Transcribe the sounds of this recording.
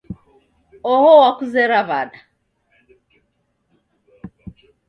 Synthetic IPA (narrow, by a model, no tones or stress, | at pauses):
ɔhɔwakuzɛɾaβaɗa